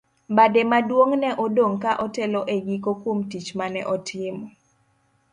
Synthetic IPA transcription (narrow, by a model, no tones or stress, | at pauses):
badɛmadwoŋnɛʔɔdoŋkaʔɔtɛlɔʔeɡikokomtit͡ʃmanɛ̰ʔɔtʰɪm